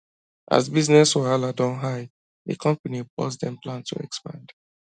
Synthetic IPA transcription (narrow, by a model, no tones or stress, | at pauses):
ʔa̰zbiznɛsɔaladɔ̃nɦaɪ | ðə̰kʰɔ̃mpanip̚ɔ̰sdɛ̃mplãntʰṵɛ̰kspã̰nd̥